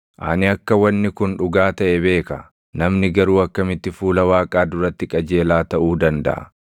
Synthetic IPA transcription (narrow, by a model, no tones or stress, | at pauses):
ʔa̰nɪɐkːɐwɐnːɪkʊnᶑʊɡaːt̪ɐʔɛbe̞ːkɐ | nɐmnɪɡɐɾuːɐkːɐmɪt̪ːɪfuːlɐwaːkʼaːd̪ʊɾɐt̪ːɪkʼɐd͡ʒe̞ːlaːt̪ɐʔuːd̪ɐnd̪ɐ̰ʔɐ̰